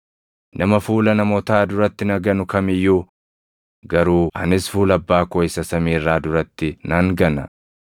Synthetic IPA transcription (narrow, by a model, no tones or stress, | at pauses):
nʔɐmɐfuːlɐnɐmɔt̪aːd̪ʊɾɐt̪ːɪnɐɡɐnʊkɐmɪjːuː | ɡɐɾuːɐ̰nɪsfuːlɐbːaːkɔɪsɐsɐmiːrːaːd̪ʊɾɐt̪ːɪnɐŋɡɐnɐ